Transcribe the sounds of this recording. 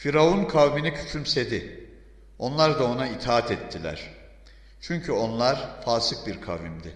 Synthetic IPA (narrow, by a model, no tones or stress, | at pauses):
fiɾaunkʰawminicʰy̥t͡ʃʰymse̞d̪ɪ | o̞nlˠaɾd̪aonait̪ʰaat̪ʰɛt̪ʰːilʲæ̰ɾ̥ | t͡ʃʰyɲcʰyo̞nlˠaɾ̥faːsɯk̚biɾkʰavimd̪ɪ